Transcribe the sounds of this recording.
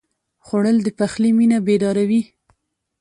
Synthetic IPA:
xoɽəld̪əpaxliminabed̪ɑɾawi

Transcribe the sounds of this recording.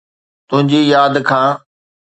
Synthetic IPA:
t̪ʊɦɪ̃ɲd͡ʑijaːd̪kʰãː

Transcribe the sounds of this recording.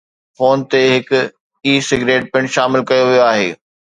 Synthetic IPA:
foːnt̪eɦɪkʊ | iːsɪɡɾeːʈ̚pɪ̃ɳʃaːmɪlkɐjoʋijoaːɦḛː

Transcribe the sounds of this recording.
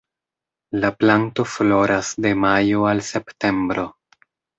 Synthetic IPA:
laplanto̞flo̞ɾasde̞majoalse̞pte̞mbɾo̞

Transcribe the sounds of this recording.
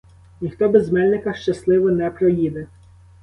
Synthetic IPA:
nʲixt̪ɔbɛzmɛlʲnɪkɐʃt͡ʃɐslˠɪʋɔnɛpɾɔjid̪ɛ

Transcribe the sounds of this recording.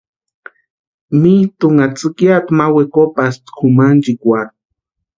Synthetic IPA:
mit̪uŋat͡sɨkjat̪mawekopast̪kʰumand͡ʒikʷat̪̚

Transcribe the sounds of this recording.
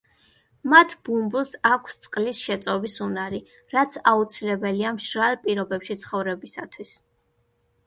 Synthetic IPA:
mat̪ʰbumblˠsakʷʰst̪sʼqʼlisʃɛt̪sʼɔbisunaɾi | ɾat̪sʰaut̪sʰilɛbɛliamʃɾalˠpʼiɾɔbɛpʃit̪sʰχɔvɾɛbisat̪ʰwis

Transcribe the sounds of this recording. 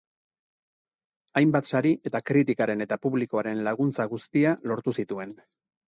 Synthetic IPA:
ajmbat̪saɾiʔe̞t̪akɾit̪̬ikaɾe̞ne̞t̪apuβliko̞aɾe̞nlaɣ̞unt͡saɣust̪ialo̞ɾt̪usit̪ue̞n

